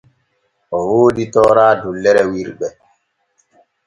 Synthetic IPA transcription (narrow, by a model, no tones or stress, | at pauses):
ʔɔwoːɗitɔːɾaːdulːɛɾɛwiɾɓɛ